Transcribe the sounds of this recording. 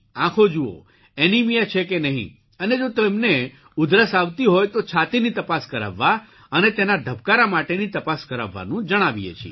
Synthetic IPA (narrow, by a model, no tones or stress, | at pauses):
ãkʰod͡ʒuo̰ | enimijat͡ʃʰekenəɦḭ̃ | əned͡ʒot̪emne | ʊd̪ɾəsaʋt̪iɦojt̪ot͡ʃʰat̪init̪əpaskəɾa̰ʋːa | ənet̪enaɖ̪ʱəb̚kaɾamaʈenit̪əpaskəɾa̰ʋːa̰nũd͡ʒəɽ̃aʋijḛt͡ʃʰḭ